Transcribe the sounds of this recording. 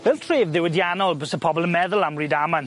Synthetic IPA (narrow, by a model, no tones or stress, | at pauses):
vɛlˠtʰreːvðɪwədjanɔlˠbəsəpʰɔbɔlˠənmɛðəlˠamriːdaman